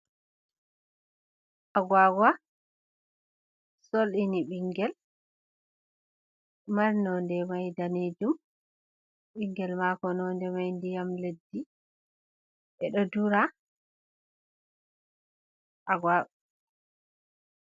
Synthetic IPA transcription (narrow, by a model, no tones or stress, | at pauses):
ʔaɡwaɡwa | soliniɓiŋɡɛl | aɾnɔndɛmajdaned͡ʒum | ɓiŋɡɛlmakɔnɔndɛmajndijamledːi | ʔɛɗɔduɾa | ʔaɡwa